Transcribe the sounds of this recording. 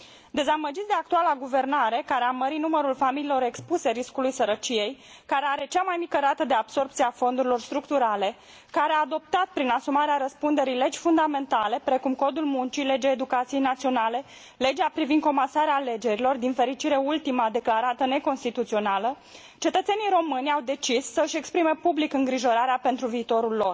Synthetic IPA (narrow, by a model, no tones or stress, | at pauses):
d̪e̞zaməd͡ʒit̪sd̪eak̚t̪ualaɡuve̞rnaɾe̞kaɾeaməɾit̪numəɾulfamililo̞ɾe̞kspuse̞ɾiskulujsəɾət͡ʃije̞j | kaɾe̞aɾe̞t͡ʃamajmikəɾat̪əd̪e̞abso̞rptsiafo̞nd̪uɾilo̞rst̪ɾukt̪uɾale̞ | kaɾeaːd̪o̞p̚t̪at̪̚pɾinasumaɾeaɾəspund̪e̞ɾijle̞d͡ʒʲfund̪ame̞nt̪ale̞pɾe̞kumko̞d̪ulmunt͡ʃijle̞d͡ʒeːd̪ukat̪sije̞jnat̪sio̞nale̞ | le̞d͡ʒeapɾivind̪̚ko̞mansaɾeaːle̞d͡ʒe̞ɾilo̞rd̪infe̞ɾit͡ʃiɾe̞ult̪imad̪e̞klaɾat̪əne̞ko̞nst̪it̪ut̪sio̞nalə | t͡ʃe̞t̪ət̪se̞nijɾo̞mɨnʲawd̪e̞t͡ʃisːəɨʃe̞kspɾime̞publikɨŋɡɾiʒo̞ɾaɾeape̞nt̪ɾuviːt̪o̞ɾulːo̞r